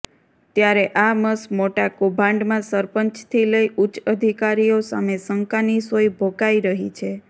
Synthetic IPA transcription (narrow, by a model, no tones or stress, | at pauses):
t̪jaɾeʔaməsmoʈakobʱãɳɖmãsəɾpəɲt͡ʃt̪ʰiləiʔut͡ʃəd̪ʱikaɾijosa̰mesəŋkanisojbʱokaiɾəɦit͡ʃʰe